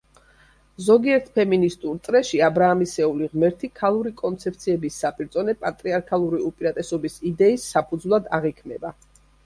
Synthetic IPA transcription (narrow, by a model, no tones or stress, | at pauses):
zɔɡiɛɾt̪ʰpʰɛminist̪ʼult̪sʼɾɛʃiabɾaːmisɛuliʁmɛɾt̪ʰikʰalˠuɾikʼɔnt̪sʰɛp̚ʰt̪sʰiɛbisːapʼiɾd̪zʼɔnɛpʼat̪ʼɾiaɾkʰalˠuɾiupʼiɾat̪ʼɛsɔbisid̪ɛisːapʰud̪zvlˠad̪aʁikʰmɛba